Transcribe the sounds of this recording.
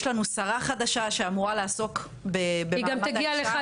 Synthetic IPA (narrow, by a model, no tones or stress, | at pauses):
ʃlanusaʁaχad̪aʃaʃeamuʁaleaso̞k | bebeiɡamt̪aɡialea